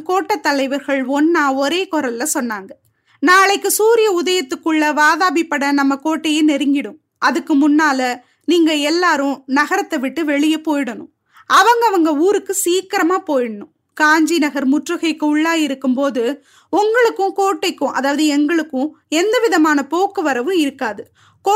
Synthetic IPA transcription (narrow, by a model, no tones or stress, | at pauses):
koːʈːɐt̪ːɐlɐɪʋɐɾɣɐɭɔnːaːɔɾeːkɔɾɐlːɐsɔnːaːŋɡɐ | naːɭɐɪkːɯsuːɾɪjɐʊðɐjɐt̪ːɯkːɯɭːɐʋaːðaːbipːɐɽɐnɐmːɐkoːʈːɐjenɛɾɪŋɡɪɽɯ̃m | ʔɐðɯkːɯmʊnːaːlɐ | niːŋɡɐɛlːaːɾʊ̃nɐɣɐɾɐt̪ːɐʋɪʈːɯʋɛɭɪjɐpoːjɪɽɐnʊ̰̃ | ɐʋɐŋɡɐʋɐŋɡɐuːɾɯkːɯsiːkːɪɾɐmaːpoːjɪɽɐnʊ̃ | kaːɲd͡ʒinɐɣɐɾmʊʈrɯɣɐɪkːɯʊɭːaːjɪɾɯkːɯmpoːðɯ | ʊŋɡɐɭɯkːʊ̃koːʈːɐɪkːʊ̃ʔɐðaːʋɐðɯɛŋɡɐɭɯkːʊ̃ɛnd̪ɐʋɪðɐmaːnɐpoːkːɯʋɐɾɐʋɯ̃ɪɾɯkːaːðɯ | kː